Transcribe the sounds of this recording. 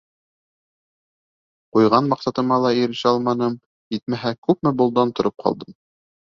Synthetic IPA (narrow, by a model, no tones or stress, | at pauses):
qujʁɑnmɑqsɑt̪ɤ̆mɑlˠɑiɾɘ̆ʃɘɑlˠmɑnɤm | it̪̚mæɦækʉpmɘbŏlˠd̪ɑnt̪ŏɾʔɤp̚qʰɑ̰lˠd̪ɤm